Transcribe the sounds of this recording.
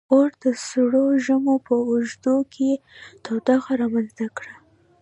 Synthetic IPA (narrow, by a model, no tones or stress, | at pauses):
oɾd̪̥əsɽoʒəmopəːʒd̪okʰet̪ɑwd̪ɑxaɾɑmanzt̪akɽa